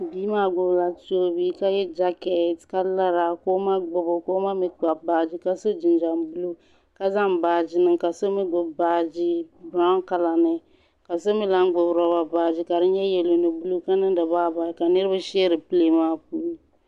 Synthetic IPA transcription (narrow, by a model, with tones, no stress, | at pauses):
biː˦maː˦ɡ͡bʊ˨bla˨to˦bi˦ka˦jɛ˦d͡ʒa˦kɛ˨˦tka˦la˦ɾa˨ko˦ma˦ɡ͡bo˦˨bo˨ko˦ma˦mi˦k͡pa˨baː˨d͡ʒi˦ka˦so˦d͡ʒi˨nd͡ʒa˨mbu˦lu˦ | ka˦za˦mbaː˨d͡ʒi˦nɨ˦ŋka˨so˦mi˦ɡ͡bʊ˨baː˨˦d͡ʒi˦bɾa˦ka˦la˨nɨ˦ | ka˨so˦mi˦la˦ŋ˦ɡ͡bʊ˨bɾɔ˨ba˨baː˨d͡ʒi˦ka˨dɨ˦ɲɛ˦jɛ˨lo˨nɨ˨bu˦lu˦ka˦nɨ˦ndɨ˨baː˦ba˨ka˨nɨ˦ɾɨ˦ba˦ʃɛ˦ɾɨ˨pɨ˦le˦maː˦pu˦i˦